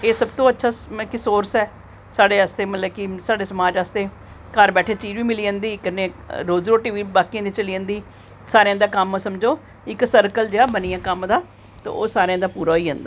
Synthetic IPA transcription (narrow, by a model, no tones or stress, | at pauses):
eːsəbt̪õːətːʃʰaːkɪsoːɾsɛː | saːɖeːəst̪eːmət̪ləbkɪsaːɽeːsəmaːd͡ʒaːst̪eː | kəɾbɛːʈʰeːt͡ʃiːd͡ʒʋiːmɪliːə̃ːnd̪iːkənːeːɾoːzɾoːʈiːʋiːbaːkĩnd̪iːt͡ʃəliə̃ːnd̪iː | saːɾẽãːd̪aːkəmsəmd͡ʒoː | ɪksəɾkəld͡ʒeːaːbəniːãːkəmd̪aː | t̪a̰ːo̰ːsaːɾẽãːd̪aːpuːɾaːiːɦə̃ːnd̪aː